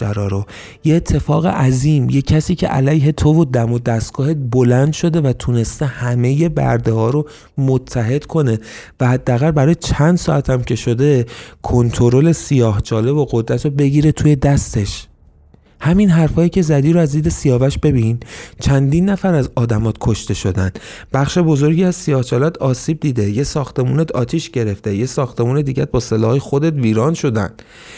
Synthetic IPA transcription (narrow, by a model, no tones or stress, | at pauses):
æɾɒːɾo | jeet̪ʰːe̞fɒːɣḛʔæziːmjecʰːæsiːcʰḛʔæ̰læjɦe̞t̪ʰovod̪æmod̪æst̪̚ɡ̥ɒːɦet̪̚bolænd̪ʃo̞d̪e̞væt̪ʰune̞st̪e̞hæme̞je̞bæ̰ɾd̪ehɒːɾo | mot̪ʰːæɦe̞d̪̥kʰo̞ne̞væhæd̪ːæːɣælbæɾɒːjet͡ʃʰænd̪̥sɒːʔæt̪ʰæmcʰe̞ʃo̞d̪e̞kʰont̪ʰoɾole̞sijɒːhd͡ʒɒːle̞boɣod̪ɾæt̪ʰɾobe̞ɟiɾe̞t̪ʰuːje̞d̪æst̪e̞ʃ | hæminɦæɾfɒːjicʰe̞zæd̪iːɾoæzd̪iːd̪e̞sijɒːvæʃb̥e̞bint͡ʃʰænd̪iːnːæfæɾæzɒːd̪æmɒːt̪̚kʰoʃt̪e̞ʃo̞d̪ænb̥æχʃe̞bo̞zoɾɟiːæz̥sijɒːht͡ʃʰɒːlæd̪ʰɒːsiːb̚d̪iːd̪e̞je̞sɒːxt̪e̞muːnet̪ɒ̰ːt̪ʰiːʃɟe̞ɾe̞ft̪ejesɒːxt̪e̞muːned̪iːɟæt̪̚bɒːse̞lɒ̰ːhjexod̪et̪viːɾɒːnʃo̞d̪æ̰n̥